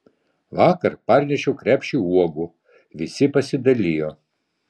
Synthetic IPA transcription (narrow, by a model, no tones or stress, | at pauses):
ʋɑːkɐɾpɐɾʲnʲɛʃʲɛʊkɾʲæːpʲʃʲiuɔɡu | ʋʲɪsʲɪpɐsʲɪd̪ɐlʲiːjoː